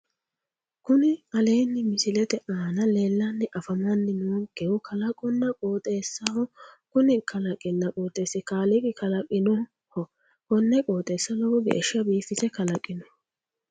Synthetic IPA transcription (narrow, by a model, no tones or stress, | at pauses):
kʊnɪɐleːnːɪmɪsɪlɛt̪ɛʔaːnɐleːlːɐnːɛʔɐfɐmɐnːɪnuːɡɛwʊkʰɐlɐkʼɔnːɐkʼoːt̪ʼeːsːɐhɔkʊnɪkʰɐlɐkʼɪnːɐkʼoːt̪ʼːeːsɪkaːlɪkʼɪkɐlɐkʼːɪnɔ | hɔ | kɔnːɛkʼoːt̪ʼeːsːɐlɔwɔɡɛ̰ʔːʃɐbiːfɪt̪ɛkɐlɐkʼːɪnɔ